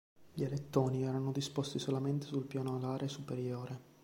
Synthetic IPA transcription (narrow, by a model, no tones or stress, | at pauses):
ʎelet̪ːoːniɛːɾanod̪ispost̪isolament̪e̥sulpjaːnoalaːɾʔesupeɾjoːɾe